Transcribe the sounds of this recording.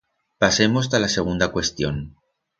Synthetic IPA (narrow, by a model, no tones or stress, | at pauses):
pase̞mos̬t̪alase̞ɣ̞und̪akwe̞st̪jo̞̰n